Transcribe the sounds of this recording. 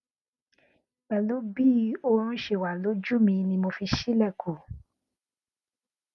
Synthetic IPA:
k͡pɛ˨lo˨˦bi˦õ˧˦ʃe˦˨wa˨lo˨˦d͡ʒu˦˨mĩ˧nĩ˧mo˧fi˧ʃi˦lɛ˦˨kʰo˨

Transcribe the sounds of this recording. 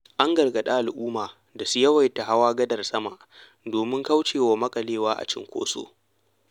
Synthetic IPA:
ʔa˦ŋɡɐ˨rɡɐ˨ɗa˦ʔa˨lʔuː˦maː˨ | da˨su˦jɐ˦wa˨jta˨ɦa˦waː˦ɡɐ˦dɐ˨rsɐ˦ma˨ʔ | doː˨mɪ˦ŋka˦wt͡ʃeː˨wa˨mɐ˦kʼɐ˨leː˦waː˦ʔa̰˨t͡ʃɪ̰˦ŋkʷo̰ː˦so̰ː˦

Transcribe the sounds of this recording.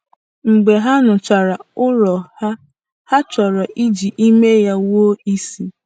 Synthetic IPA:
ŋ͡m̩˨ɡ͡be˨ɦa˦nʊ˨t͡ʃa˨ɾa˨ʊ˦ɾɔ˨ha˦ | ha˦t͡ʃɔ˨ɾɔ˨ʔi˦d͡ʒi˨ʔi˦me˦ja˦wo˦i˦si˦

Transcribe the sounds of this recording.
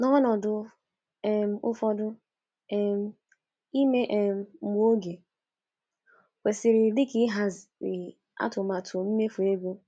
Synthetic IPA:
nɔ˦nɔ˨dʊ˦ | ɛ˨m̩˦ʊ˦fɔ˦dʊ˦ | ɛ˦m̩˦ | i˦me˦ʔɛ˨m̩˨m˦o˦ɡe˨ | kʷe˨sɪ˨ɾɪ˨dɪ˦kɪ˦ɦa˦zɪ˨ | a̰˦tʊ˨ma˨tʰʊ˨m̩˦me˦fu˨e˦ɡu˦

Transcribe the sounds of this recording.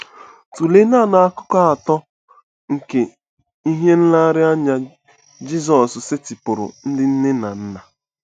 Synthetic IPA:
tu˨le˦na˦˨na˨a˦kʊ˦kɔ˦a˨tɔ˦ | ŋ̩˨ke˨ | i˦ɦe˦n̩˦la˦ɾɪ˦a˦ɲa˦ | d͡ʒi˦zɔ˨ssɪ˦tɪ˨pʊ˨ɾʊ̰˨n̩˦dɪ˦n̩˦nɪ˦na˨n̩˦na˨

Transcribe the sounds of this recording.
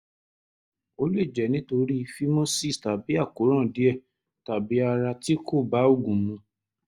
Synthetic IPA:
o˧lu˦i˦˨d͡ʒɛ˨˦nĩ˨˦to˧ɾi˦fi˦mɔ̃˦si˦˨sta˨bi˨˦a˦˨ko˨˦ɾ̃ã˦˨di˨˦ɛ˦˨ | ta˨bi˨˦a˧ɾa˧ti˦kʰo˦˨ba˨˦o˦˨ɡũ˨mũ˧

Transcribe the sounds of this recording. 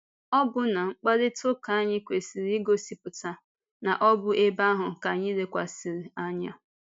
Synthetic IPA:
ɔ˦bʊ˦na˨ŋ͡m̩˦k͡pa˦dɪ˦tʊ˦ka˨˦a˦ɲɪ˦kʷe˨si˨ɾi˦ɡo˦si˨pʊ˨ta˨ | na˨ʔɔ˦bʊ˦ʔe˦ba˦ɦʊ˨ka˨ɲɪ˦ɾe˦kʷa̰˨sɪ˨ɾi˨a˦ɲa˦

